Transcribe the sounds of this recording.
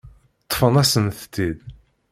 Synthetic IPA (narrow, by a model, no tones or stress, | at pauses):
t̪ˤːə̥fənæsənθt̪ːið